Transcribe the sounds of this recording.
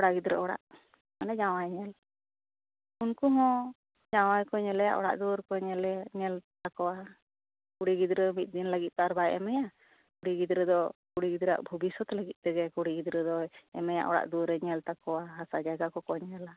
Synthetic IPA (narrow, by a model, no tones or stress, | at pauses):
ɔɽaɡid̪ɾə̰ʔɔɽa̰ʔ | kanad͡ʒãwajɲɛl | unkuɦɔ̃ | d͡ʒawajkɔɲɛlɛja̰ʔɔ̰ɽa̰ʔd̪uɾkɔɲɛlɛɲɛlt̪akɔwa | kuɽiɡid̪ɾəmit̪̚ˀd̪inləɡit̪̚t̪aaɾbajʔɛ̰mɛja | kuɽiɡid̪ɾəd̪ɔkuɽiɡid̪ɾa̰ʔbʱubisɔt̪ləɡit̪̚ˀt̪ɛɡɛkuɽiɡid̪ɾəd̪ɔɛmɛja̰ʔɔ̰ɽa̰ʔd̪uɾɛɲɛlt̪akɔwaɦasad͡ʒaɡakɔkɔɲɛla